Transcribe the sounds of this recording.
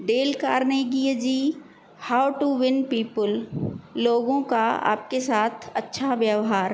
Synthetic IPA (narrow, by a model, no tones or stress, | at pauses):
ɖ̪eːlkaːɾneɡiəd͡ʒiː | haːwʈuʋɪnpiːpəlː | oːɡõkaa̰ːpkesaːt̪ʰɐtːʃʰaʋjəʋɦaːɾ